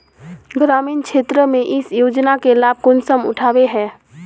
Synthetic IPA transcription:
ɡɾamiːnkt͡ʃʰet̪ɾəmeʔɪsjod͡ʒnakelab̚ʱkonsəmʊ̰ʈʰaːbeɦɛ̃ː

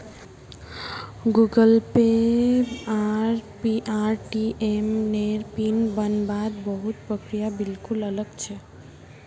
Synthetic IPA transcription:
ɡuɡəlpeɾaɾpiʔaɾʈiʔemneɾpinbənbad̪bəɦut̪̚pɾəkɾijabilkulələɡt͡ʃʰɛ

